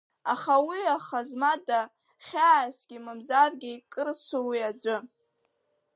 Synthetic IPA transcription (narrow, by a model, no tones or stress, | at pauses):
aχawiaχazmada | χʲaːsɡʲimɨmzarɡʲikʼɨrt͡sʷʰowiad͡ʒʷɨ